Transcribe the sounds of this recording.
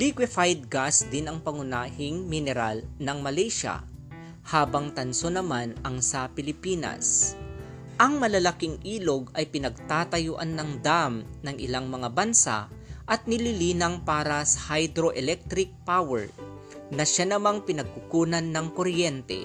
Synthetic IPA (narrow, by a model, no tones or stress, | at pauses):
likwɪfajd̪̚ɡasd̪ɪnɐŋpɐŋʊnaːhɪŋmɪnɛɾa̰lnɐŋmɐlɛjʃa̰ | haːbɐŋt̪ɐnsonɐmanʔɐŋsɐpɪlɪpiːnɐ̰s | ʔɐŋmɐlɐlɐkɪŋʔiːlo̞ɡɐjpɪnɐɡ̚t̪aːt̪ɐjʊʔanːɐŋd̪amnɐŋɪ̰laŋmɐŋabɐnsa̰ʔɐt̪̚nɪlɪliːnɐŋpaːɾɐsɐ̥hajd̪ɾoʔɛlɛk̚t̪ɾɪk̚pawɛɹ | nɐʃanɐmaŋpɪnɐɡ̚kʊkuːnɐnːɐŋkoɾjɛnt̪ɛ̰